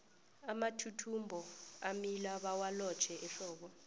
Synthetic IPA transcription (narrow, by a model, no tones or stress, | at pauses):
amatʰutʰumbʱɔamilaɓawalɔ̥t͡ʃʰɛʔɛɬɔːɓ̬ɔ